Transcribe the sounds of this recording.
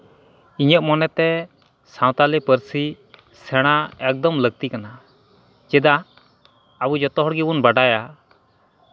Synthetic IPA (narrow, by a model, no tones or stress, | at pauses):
iɲəʔ̚mɔnɛt̪ɛ | sãw̃t̪alɛpəɾsi | sɛɽ̃aɛk̚d̪ɔmləɡ̚t̪ikana | d͡ʒɛd̪a | abud͡ʒɔt̪ɔɦɔɽɡɛbunbaɖaja